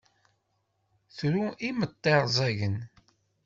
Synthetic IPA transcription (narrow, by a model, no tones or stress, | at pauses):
θɾuimət̪ˤːeɾˤzˤæʝən